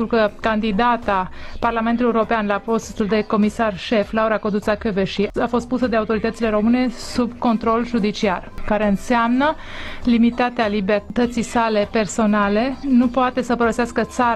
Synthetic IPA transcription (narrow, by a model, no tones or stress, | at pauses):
ɾukəkand̪id̪at̪aparlament̪ulijeuɾo̞peanlapo̞st̪uld̪e̞ko̞misarʃe̞flauɾakod̪ut̪sakeveʃiafo̞st̪̚pusəd̪eaut̪o̞ɾit̪ət̪sile̞ɾo̞mɨne̞subko̞nt̪ɾo̞lʒud̪it͡ʃiarkaɾe̞ɨnseamnə | limit̪at̪ealibert̪ət̪sijsale̞pe̞rso̞nale̞nupoat̪e̞səpəɾəseaskət̪sa